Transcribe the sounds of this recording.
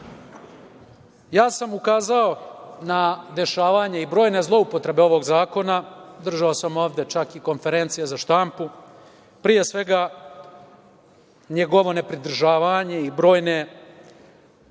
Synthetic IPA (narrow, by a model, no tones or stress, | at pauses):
jaːsamukaːzao̞nad̪e̞ʃaːʋaɲe̞ibɾo̞ːjne̞zlˠo̞upo̞t̪ɾe̞be̞o̞ʋo̞ɡzaːko̞nad̪r̩ʒao̞samo̞ːʋd̪e̞t͡ʃakiko̞nfe̞ɾe̞nt̪sijezaʃt̪ampu | pɾije̞sʋe̞ɡa | ɲeɡo̞ʋo̞ne̞pɾid̪r̩ʒaːʋaɲe̞ibɾo̞ːjne̞